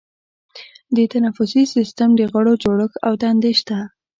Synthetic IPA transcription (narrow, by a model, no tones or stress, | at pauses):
d̪ət̪anafʊsisist̪amd̪əɣəɽod͡ʒoɽəxawt̪and̪eʃt̪a